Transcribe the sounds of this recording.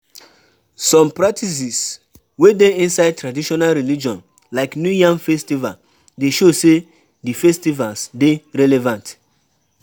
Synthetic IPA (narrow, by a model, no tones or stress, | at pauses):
sɔ̃mpɹak̚tis̬is | wedeĩnsaɪd̚tɹadiʃɔnalɹilid͡ʒɔ̃n | laɪknjujãŋfɛstival | deʃose | difɛstivalsdeɹɛlɛvãnt